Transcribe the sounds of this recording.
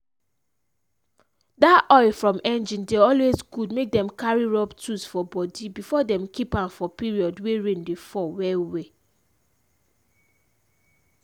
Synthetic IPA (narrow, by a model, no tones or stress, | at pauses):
daɔɪfɹɔ̃mʔɛ̃nd͡ʒĩndeɔlwezɡudmek̚dɛ̃mkaɹiɹɔptusfɔbɔdibifɔdɛ̃mkipãnfɔpiɹiɔdweɹẽndefɔwɛwe